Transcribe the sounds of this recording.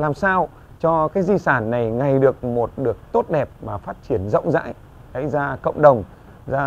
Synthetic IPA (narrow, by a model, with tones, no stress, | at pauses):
laː˨˩msaː˧w | t͡ɕɔ˧kaː˨˦˥jzi˧saː˧˩nːa˨˩jŋa˨˩jɗɨ˨˩ək̚mo˨˩t̚ɗɨ˨˩ək̚t̪o˦˥t̚ɗɛ˨˩p̚maː˨˩faː˦˥t̚t͡ɕi˧˩ənzə̰˧˥wŋ͡mza̰ː˧˥j | ə̰˧˥jzaː˧kə̰˧˨wŋ͡mɗə˨˩wŋ͡m | zaː˧